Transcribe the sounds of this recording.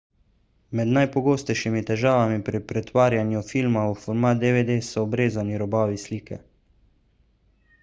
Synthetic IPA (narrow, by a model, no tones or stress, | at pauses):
mɛd̪najpɔɡoːst̪ɛjʃimit̪ɛʒaːʋamipɾipɾɛt̪ʋaːɾjanjufiːlmaufɔɾmaːt̪̚d̪eʋed̪eːsɔːbɾeːzaniɾɔbaːʋisliːkɛ̰